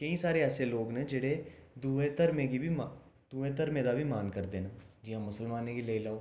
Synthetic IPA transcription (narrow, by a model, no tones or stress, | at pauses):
kɐĩsaːɾeɛːseloːɡnɛd͡ʒeɽ̤ed̪uet̪əɾmẽkibʱim | d̪̥uːẽt̪əɾmẽd̪abʱimaːnkɐɾd̪eːnaːd͡ʒɪɦãmʊsəlmaːnekileːilaːo